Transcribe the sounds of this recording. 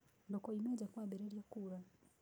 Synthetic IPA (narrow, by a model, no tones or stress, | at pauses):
ndɔkɔimɛd͡ʒakuaɓɛɾɛɾiakuɾa